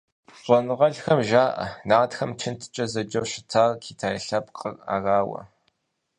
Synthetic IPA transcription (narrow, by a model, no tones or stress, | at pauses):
fʷɔnɨʁɐɮxɐmʒaːʔɐ̰naːtxɐmt͡ʃʰɪntʰɨ̥t͡ʃʼɐzɐd͡ʒɐwɕɪ̥tʰaːrkʰiːtʰaːjɬɐpqʼəra̰ːraːwɐ̰